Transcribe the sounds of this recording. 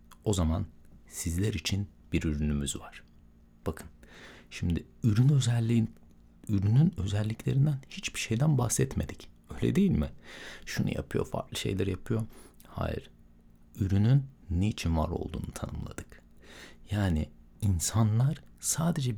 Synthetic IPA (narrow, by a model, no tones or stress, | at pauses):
o̞zamansizlʲæɾit͡ʃʰin | b̥iɾyɾynymyzvaɾ̥ | b̥akʰɯnʃimd̪ɪ | yɾynø | yɾynynø̞zælʲːicʰlʲe̞ɾind̪ænhit͡ʃbiʃe̞jd̪ænbaxsɛt̪me̞d̪icø̞jlʲɛ̰d̪e̞jilʲmɪʃunṵja̰pʰɯjo̞̰fa̰ɾklˠɯʃe̞̰jlʲæɾjapʰɯjo̞ha̰ːjḭɾ̥ | yɾynynːeit͡ʃʰinva̰ɾo̞̰lˠd̪ṵːnut̪ʰanɯmlˠa̰d̪ɯk | jaːnɪ | insanlˠaɾ̥saːd̪e̞d͡ʒɛ